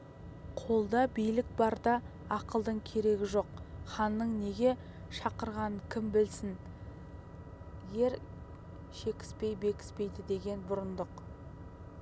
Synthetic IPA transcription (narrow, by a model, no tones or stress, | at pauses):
qʰo̞lˠd̪ɑbijlɪk̚bɑɾd̪ɑ | ɑqəlˠd̪əɴkʲʰe̞ɾe̞ɡʲɪʒo̞qχɑnːəɴne̞ɡʲe̞ | ʃɑqəɾʁɑnəkʲʰɪmbɪlsɪn | je̞ɾ | ʃe̞kʲɪ̥spe̞jbe̞kʲɪ̥spe̞jd̪ɪd̪e̞ɡʲe̞nbʊɾənd̪əq